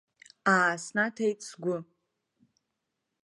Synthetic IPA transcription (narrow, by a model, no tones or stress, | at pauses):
aːsnatʰajtʼsɡʷʊ